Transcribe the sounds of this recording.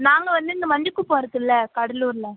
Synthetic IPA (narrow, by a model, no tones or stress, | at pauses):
naːŋɡɐʋɐnd̪ɯɪŋɡ̪ɐmɐnd͡ʒɯkːɯpːoːɪɾɯkːɯlːɐkɐɽɐluːɾlɐ